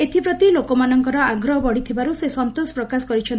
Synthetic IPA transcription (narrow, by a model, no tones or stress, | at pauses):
et̪ʰipɾɔt̪ilokɔmanɔŋkɔɾɔaɡɾɔɦɔbɔɽit̪ʰibaɾusesɔnt̪osɔ̥pɾɔkasɔkɔɾit͡ʃʰɔn